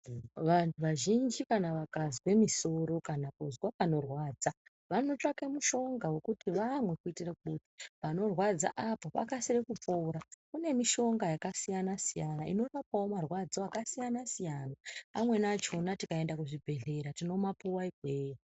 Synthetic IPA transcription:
ʋantʰuʋaʒind͡ʒikanaʋakazikwe̞miso̞ɾo̞kanakuzwapano̞rwaːd͡za | ʋano̞t͡ʂakemuʃo̞ŋɡawe̞kutiʋamwe̞kuitirakuɓotipano̞rwad͡za̰ʔapopa̰kasirekup͡foɾakune̞miʃo̞ŋɡajakasijanasijanaḭno̞rapawomarwad͡zoakasijanasijanaamwe̞nat͡ʃo̞natikae̞ndakuʐibʱe̞ɮe̞ɾatino̞mapuwaiɡʱweːj

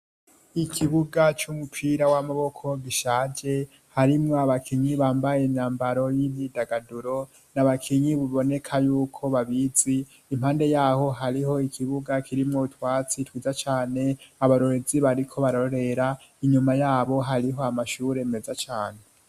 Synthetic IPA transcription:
ikʰiβuɡat͡ʃumupʰiɾawamaβo̞kʰo̞ɡiʃaːd͡ʒe̞ | haɾimŋoaβakʰiɲiβaːmbajenaːmbaɾo̞jiβidaɡaduɾo̞ | naβakʰiɲiβuβo̞ne̞kʰajuːkʰo̞βaβiziː | mhaːnde̞jaːho̞ɦaɾiɦo̞ikʰiβuɡakʰiɾimŋoutwaːt͡sitwiːzat͡ʃaːne̞aβaɾo̞ɾeziβaɾikʰo̞βaɾoɾe̞ɾa | iɲumajaːβo̞ɦaɾiɦo̞amaʃuːɾe̞mezat͡ʃaːne̞

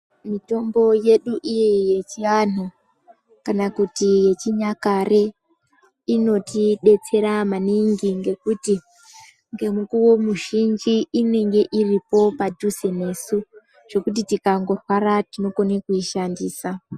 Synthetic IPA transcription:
mito̞mbo̞je̞ɗuʔijeje̞t͡ʃianu | kanakutije̞t͡ʃiɲakare̞ | ino̞tiɗe̞t͡se̞ɾamaniŋɡiŋɡe̞kuti | ŋɡe̞mukuwo̞muʒind͡ʒiːne̞ŋɡe̞ʔiripo̞padʱuse̞ne̞su | ʐ̥o̞kutitikaŋɡo̞rwaɾatino̞ko̞nekuiʃandiːsa

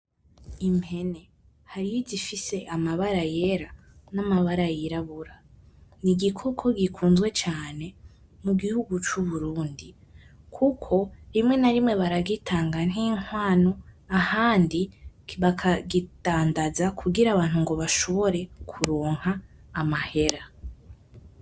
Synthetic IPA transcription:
imhe̞ne̞ | haɾijizifise̞ʔamaβaɾaje̞ɾa | namaβaɾajiɾaβuɾa | niɡikʰokʰo̞ɡikʰuːnzɡwe̞t͡ʃaːne̞ | muɡihuɡut͡ʃuβuɾuːndi | kʰukʰo̞ɾimŋe̞naɾimŋe̞βaɾaɡitʰaːŋɡan̥hiːŋ̥waːnoahaːndiβakʰaɡitaːndazakʰuɡiɾaːβaːn̥huŋɡo̞βaʃo̞βo̞ɾe̞kʰuɾoːŋ̥haːmahe̞ɾa

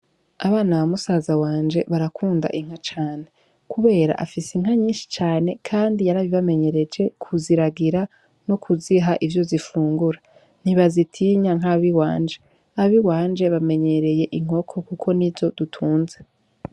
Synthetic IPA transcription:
aβaːnaβamusaːzawaːnd͡ʒe̞βaɾakʰuːnda̰ʔiŋ̥hat͡ʃaːne | kʰuβe̞ːɾa̰ʔa̰fiseŋ̥aɲiːnʃi̥t͡ʃaːne̞kʰaːndijaɾaβiβame̞ɲe̞ɾe̞d͡ʒe̞kʰuziɾaɡiɾa | nokʰuziɦaʔivjo̞zifuːŋɡuɾa | n̥iβazitʰiɲaŋɦaβiwa̰ːnd͡ʒe̞ | aβiwaːnd͡ʒe̞βame̞ɲe̞ɾe̞je̞ʔiŋ̥o̞kʰo̞kukʰo̞nivjo̞dutʰuːnze

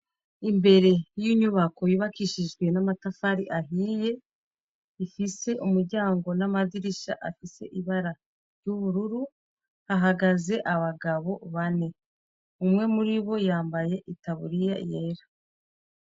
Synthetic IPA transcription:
imbe̞ɾe̞jiɲuβako̞jiβakiʃiʒɡwe̞namatafaɾiʔaɦiːje̞ | ifise̞ʔumuɾɟaːŋɡo̞namadiɾiʃa̰ʔafise̞̰ʔiβaɾa | ɾɟuβuɾuɾu | haɦaɡaze̞ʔaβaɡaβo̞βane̞ | umŋe̞muɾiβo̞jaːmbaje̞ʔitaβuɾija̰jeːɾa

